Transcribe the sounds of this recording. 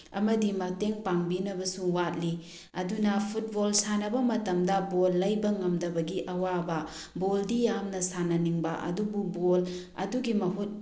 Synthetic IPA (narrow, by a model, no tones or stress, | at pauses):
ɐmɐdimɐteŋpaŋbinɐbɐsuwat̚li | ɐdunɐpʰut̚bolsanɐbɐmɐtɐmdɐbolːɐjbɐŋɐmdɐbɐɡiʔɐwabɐ | boldijamnɐsanɐniŋbɐʔɐ̰dububol | ɐ̰duɡimɐɦut̚